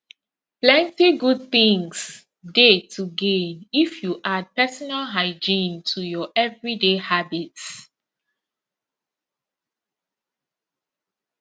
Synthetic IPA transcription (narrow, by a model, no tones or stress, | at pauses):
plɛ̃ntiɡud̚θĩŋs | detʰuɡẽnifjuʔad̚pɛsɔnalɦaɪd͡ʒĩntʰujɔʔɛvɹidehabits